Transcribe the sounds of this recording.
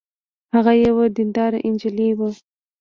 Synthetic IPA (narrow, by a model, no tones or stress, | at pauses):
haɣajewad̪ind̪ɑɾaʔɪnd͡ʒɪliwə